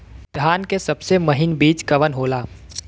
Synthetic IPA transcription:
d̪̥ʱjaːnkesɐbsemɐɦɪnbiːt͡ʃkɐʋənɦoːlaː

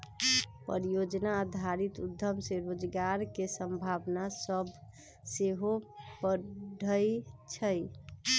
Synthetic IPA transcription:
pə̰ɾijod͡ʒnaəd̪ʱaɾit̪ud̪ʱːəmseɾod͡ʒɡaɾkesəmbʱabnasəb | seɦopəɖʱəjt͡ʃʰəj

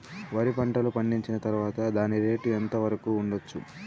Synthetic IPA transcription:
ʋɐɾipɐɳʈɐlupɐɳɖiɲt͡ʃinɐt̪ɐɾuʋaːt̪ɐd̪aːniɾe̞ːʈuent̪ɐʋɐɾɐkuːɳɖot͡ʃːṵ

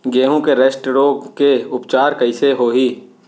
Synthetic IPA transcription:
ɡeːɦũkeɾeːsʈɾokeʊpt͡ʃaːɾkəɪseɦoːɦiː

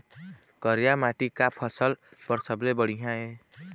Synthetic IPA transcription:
kʌɾjamaʈikapʰʌsʌlb̥ʌɾsʌblebʌɽiɦãe

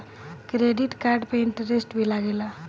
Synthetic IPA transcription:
kɾeɖiʈkaɾɖpeɳʈɾesʈbilaɡela

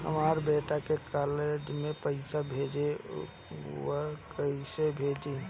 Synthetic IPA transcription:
ɦə̰maːɾbeːʈakekaːled͡ʒmẽpəɪsabʱeːd͡ʒe | wəkəisebʱeːd͡ʒeː

